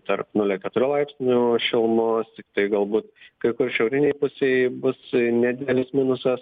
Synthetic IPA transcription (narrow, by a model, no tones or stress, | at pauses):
t̪ɐrpnʊlʲɛkʲɛt̪ʊɾʲʊlˠɐɪpʲsʲnʲuʃʲɪlˠmoːst̪ʲɪk̚t̪ɐɪɡɐlˠbuːt̪kɐɪkʊrʃʲɛʊɾʲɪnʲɛɪpʊsʲeɪbʊsnʲæd̪ʲɪd̪ʲɛlʲɪsmʲɪnʊsɐs